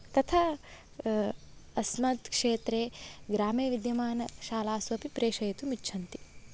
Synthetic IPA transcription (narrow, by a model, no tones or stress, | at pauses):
t̪ɐt̪ʰa | ɐsmɐt̪kʂeːt̪ɾeːɡɾaːmeːʋid̪jɐmaːnɐʃaːlaːsʋɐpipɾeːʃɐjɐt̪umitːʃʰɐnt̪i̥